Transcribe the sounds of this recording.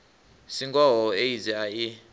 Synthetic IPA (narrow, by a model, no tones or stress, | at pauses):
siŋɡʼɔɦɔeizɛai